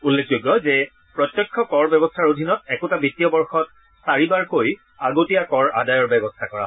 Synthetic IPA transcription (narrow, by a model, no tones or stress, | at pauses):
ulːekʰzoɡjɔzɛ | pɹɔt̪jɔkʰːɔkɔɹbɛbɔstʰaɹodʱinɔtɛkʊtabitijɔbɔɹxɔt̚ | saɹibaɹkoj | aɡotijakɔɹa̰dajɔɹbɛbɔstʰakɔɹa̰